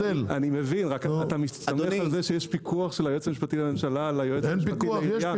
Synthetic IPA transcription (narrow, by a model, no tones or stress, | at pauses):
elanimevinʁakat̪amit̪amealzeʃejeʃpikʰuaχʃelajoet͡samiʃpat̪iame̞mʃalalajoemniʃpat̪iija